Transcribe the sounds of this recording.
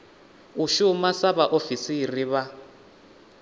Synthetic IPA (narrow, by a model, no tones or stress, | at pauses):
uʃumasaβaʔofisiriβa